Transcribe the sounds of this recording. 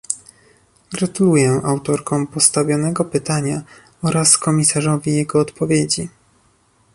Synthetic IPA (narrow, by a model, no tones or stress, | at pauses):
ɡɾat̪ulujɛʔawt̪ɔɾkɔ̃w̃pɔst̪avʲjɔnɛɡɔpɘt̪aɲa | ɔɾaskɔmʲisaʐɔvʲijɛɡɔːt̪pɔvʲjed͡ʑi